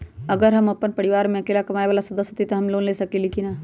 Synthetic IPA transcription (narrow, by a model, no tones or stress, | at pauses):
ɐɡəɾɦɐmɐpːənpɐɽiʋaːɾmẽɐkeːlakɐmaːeʋaːlasɐd̪əsjət̪it̪oɦɐmloːnleːsɐkelikinaː